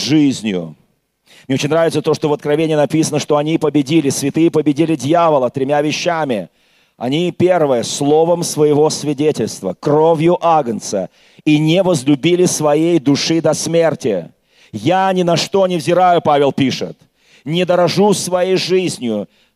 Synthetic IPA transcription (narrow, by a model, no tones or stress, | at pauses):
ʐɨzʲnʲjʊ̰ | m̥nʲeot͡ɕɪnʲɾavʲɪt̪sət̪o̞ʂt̪ovət̪̚kɾɐvʲenʲɪjənɐpʲisənəʂt̪o̞ɐnʲipəbʲɪdʲilʲɪsvʲɪt̪ɨjəpəbʲɪdʲilʲɪdʲjavəlˠət̪ɾʲɪmʲavʲɪɕːamʲɪ | ɐ̰nʲipʲe̞rvɨjəslˠo̞vəmsvəjɪvo̞svʲɪdʲetʲɪlʲst̪vəkɾovʲjʊʔaɡənt̪sə̰ | inʲɪvəzlʲʊbʲilʲɪsvɐjejd̪ʊʂɨd̪ɐsmʲe̞rtʲɪ | janʲɪnɐʂt̪o̞nʲɪvzʲɪɾajʊpavʲɪlˠpʲiʂɨ̰t̪ | nʲɪd̪əɾɐʐusvɐjejʐɨzʲnʲjʊ